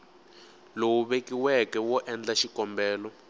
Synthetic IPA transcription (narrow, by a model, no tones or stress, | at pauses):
lowuβekiwɛkɛwɔʔɛnd͡ɮaʃikɔmbɛːlɔ